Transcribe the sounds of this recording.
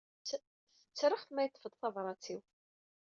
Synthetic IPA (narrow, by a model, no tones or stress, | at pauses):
θə̥t͡sːɾəχθmæjt̪ːə̥fəd̪ˤθɑvɾˤɑt͡sːiw